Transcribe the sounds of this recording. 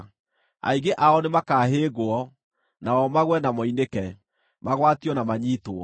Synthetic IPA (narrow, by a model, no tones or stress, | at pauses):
a̰iɡeʔaɔnemakaːɦeːɣoɔ | naɔmaɣwɛnamɔinekɛ | maɣwatiɔnamaɲiːtoɔ̰